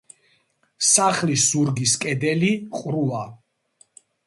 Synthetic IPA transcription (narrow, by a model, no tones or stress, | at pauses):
saχliszuɾɡiskʼɛd̪ɛliqʼɾua